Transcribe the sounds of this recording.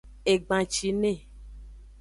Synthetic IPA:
e˨ɡ͡bã˨t͡ʃi˨nẽ˦˨

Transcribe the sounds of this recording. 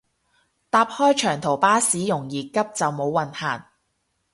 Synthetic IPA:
t̪aː˧p̚hɔː˥jt͡ʃʰœː˨˩ŋt̪ʰo˨˩wpaː˥siː˨˥jʊ˨˩ŋjiː˨˩kɐ˥p̚t͡sɐ˨wmo˨˧wːɐ˨nhaː˨˩n

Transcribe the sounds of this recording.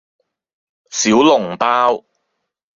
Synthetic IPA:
siː˨˥wlʊ˨˩ŋpaː˥w

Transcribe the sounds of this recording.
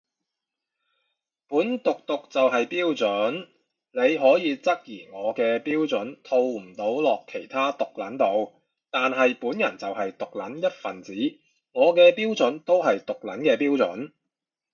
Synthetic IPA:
puː˨˥nt̪ʊ˨k̚t̪ʊ˨k̚t͡sɐ˨wɦɐ˨jpiː˥wt͡sɵ˨˥n | ne˨˧jɦɔː˨˥jiː˨˧t͡sɐ˥k̚jiː˨˩ŋɔː˨˧kɛː˧piː˥wt͡sɵ˨˥nt̪ʰo˧wm̩˨˩t̪o˨˥wlɔː˨kʰːe˨˩jt̪ʰaː˥t̪ʊ˨k̚lɐ˨˥nt̪o˨˧w | t̪aː˨nɦɐ˨jpuː˨˥njɐ̰˨˩nt͡sɐ˨wɦɐ˨jt̪ʊ˨k̚lɐ˨˥njɐ˥t̚fɐ˨nt͡siː˨˥ | ŋɔː˨˧kɛː˧piː˥wt͡sɵ˨˥nt̪o˥wɦɐ˨jt̪ʊ˨k̚lɐ˨˥nkɛː˧piː˥wt͡sɵ̰˨˥n

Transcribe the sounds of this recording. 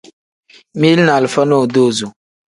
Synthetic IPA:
mi˦lna˨lfə˦no˦˨do˦˨zo˨

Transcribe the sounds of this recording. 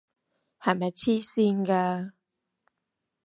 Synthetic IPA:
ha˨ma˨t͡ɕʰi˦si˦ŋɡa˧

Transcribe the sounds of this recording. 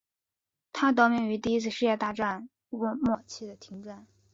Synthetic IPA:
t̪ʰa˥t̪̬ɑ˥ʊmjɛ˥˩ny˧˥t̪i˥˩i˥t͡sʰɹ̩˥˧ʂɻ̩˥˧jɛ˥˧t̪a˥˧ʈ͡ʂa˥˧n | wu˥˧mwɔ˥˩t͡ɕʰi˥˩d̪ə˩t̪ʰi˧˥ŋʈ͡ʂa˥˩n

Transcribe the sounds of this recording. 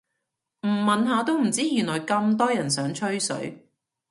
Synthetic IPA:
m̩˨˩mɐ˨nɦaː˨˧t̪o˧wm̩˨˩t͡siː˥jyː˨˩nlɔː˨˩jkɐ˧mt̪̬ɔː˥jɐ˨˩nsœː˨˥ŋt͡ʃʰɵ˥ɥsɵ̰˨˥ɥ

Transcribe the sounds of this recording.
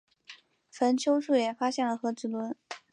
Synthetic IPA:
fə˧˥nt͡ɕʰjo˥ʊʂu˥˩jɛ˨˩fa˥ɕjɛ˥˩nlə˩xɤ˧˥ʈ͡ʂɹ̩˨˩lwə˧˥n

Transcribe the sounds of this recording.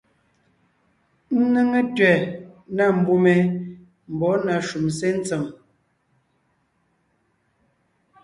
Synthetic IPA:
n̩˦nə˦ŋə˦tɥɛ˨na˦˨m̩˨bu˦me˨ | m̩˨bɔ˨˦na˨ʃu˨ms̬e˦n̩˦t͡sə˨m

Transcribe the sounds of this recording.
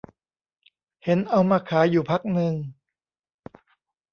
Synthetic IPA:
he˩˦nʔa˧wmaː˧kʰaː˩˦juː˨˩pʰa˦˥k̚nɯ˧ŋ

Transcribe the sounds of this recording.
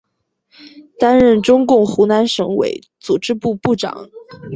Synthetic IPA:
t̪a˥nɻə˥˩nʈ͡ʂʊ˥ŋkʊ˥˩ŋxu˧˥na˧˥nʂɤ˧˥ŋwḛ˧˥ɪ | t͡su˨˩ʈ͡ʂɻ̩˥pu˥˧pu˥˩ʈ͡ʂɑ̰˨˩˦ŋ

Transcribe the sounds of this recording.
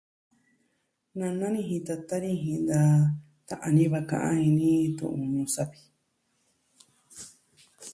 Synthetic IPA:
nã˧nã˦nĩ˧ɦĩ˧t̪a˧t̪a˦nĩ˧ɦĩ˧nd̪a˧ | t̪a˨ʔã˧nĩ˦βa˧kã̰˧ʔã˦ĩ˧nĩ˦t̪ṵ̃˧ʔũ˧nũ˧sa˧βi̥˧

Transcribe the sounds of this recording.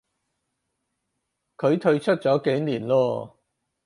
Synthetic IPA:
kʰɵ˨˧ɥt̪ʰɵ˧ɥt͡ʃʰɵ˥t̚t͡sɔː˨˥ke˨˥jniː˨˩nlɔː˧

